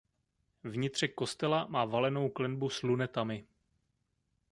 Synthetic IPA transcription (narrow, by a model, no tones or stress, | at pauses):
vɲɪt̪r̝̥ɛko̞st̪ɛlamaːvalɛno̞wklɛnbuslunɛt̪amɪ